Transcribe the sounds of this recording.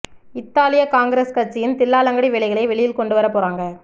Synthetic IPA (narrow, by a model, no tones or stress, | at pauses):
ɪt̪ːaːlɪjɐkaːŋɡɪɾeːskɐɾt͡ʃːɪjɪnt̪ɪlːaːlɐŋɡɐɽiʋɛɭɪɣɐɭɐɪʋɛɭɪjɪlkɔɳɖɯʋɐɾɐpːoːɾaːŋɡɐ